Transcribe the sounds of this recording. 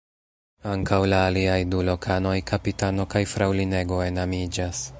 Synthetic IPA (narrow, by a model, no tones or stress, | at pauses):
aŋkawlaːliajdulo̞kʰano̞jkʰapitano̞kajfɾawline̞ɡo̞e̞namid͡ʒas